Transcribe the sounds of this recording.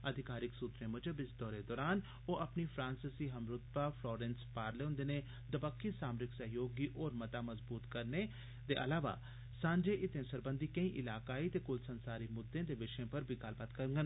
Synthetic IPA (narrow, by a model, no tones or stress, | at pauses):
əd̪ʱɪkaːɾɪksuːt̪ɾẽːmɐd͡ʒəbɪsd̪ɔːɾed̪ɔːɾaːn | oːʔɐpnipʰɾãːnsɪsiːɦɐmɾʊt̪̚baːfʰlɔːɾẽːnspaːɾleːõnd̪eːne | d̪əbəkʰːisaːmɾɪksəɦjoːɡiːʔɔːɾmɐt̪aːməzbuːt̪kəɾne | d̪eːʔɐ̰laːʋa̰ː | sãːɲd͡ʒeːʔɪt̪ẽsəɾbə̃nd̪iːkəĩːʔɪlaːkaːit̪eːkʊlsənsaːɾiːmʊd̪ːẽd̪eːʋɪʃẽpəɾbʱiɡɐlbaːt̪kəɾŋɡən